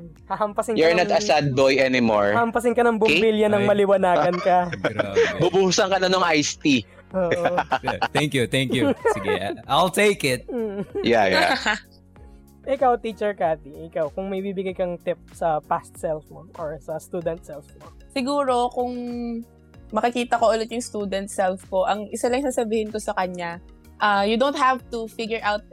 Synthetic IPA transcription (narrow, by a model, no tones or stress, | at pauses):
hɐhɐmpɐsɪŋjɔɹnɐt̪ɐsad̪̚bojɛnɪmo̰ɹɐhɐmpɐsɪnkɐnɐŋbʊmiljɐnɐŋmɐlɪwɐnaːɡɐnkɐɡɾbʊbuːsɐŋkɐnɐnoŋʔajst̪i | ʔoːʔot̪ɛŋkjut̪ɛŋkjusɪɡ̰ja̰alt̪ejkɪt̪̚m̩ːjaj̰ | ʔɪkawt̪it͡ʃɛɹkaːt̪iʔɪkawkʊŋmɐjbibɪɡajkɐŋt̪ɪp̚sɐpast̪̚sɛlfmoʔɔɹsɐst̪uːd̪ɛnt̪̚sɛlfmosɪɡuːɾokʊŋ | mɐkɪkiːt̪ɐkoʔʊlɪt̪̚jʊŋst̪uːd̪ɛnt̪̚sɛlfkoʔɐŋʔɪsalɐŋsaːsɐbiːhɪnkosɐkɐɲa | ʔaːjʊd̪ownt̪̚havt̪ufɪɡjʊɹʔawt̪̚